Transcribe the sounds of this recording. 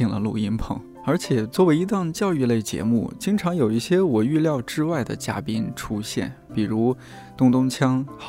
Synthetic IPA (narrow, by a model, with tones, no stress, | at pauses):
i˧˥˩ŋlə̰˧lṵ˥˩i˥npʰɤ̰˧˥˦ŋ | ə˞˧˥t͡ɕʰjɛ˨˩t͡swɔ˥˩we˧˥ɪi˧˥t̪ɑ˥˧ŋt͡ɕjɑ˥˧ʊy˥˧le˥˩ɪt͡ɕjɛ̰˧˥mṵ˥˩t͡ɕi˥ŋʈ͡ʂʰɑ˧˥ŋjo˨˩ʊi˥˩ɕjɛ˥wɔ˨˩y˥˧ljɑ˥˧ʊʈ͡ʂɻ̩˥wa˥˩ɪd̪ə̰˩t͡ɕja̰˥pi˥nʈ͡ʂʰu˥ɕjɛ̰˥˩n | pi˨˩ɻu˧˥ | t̪ʊ˥ŋt̪ʊ˥ŋt͡ɕʰjɑ˥ŋ˨˩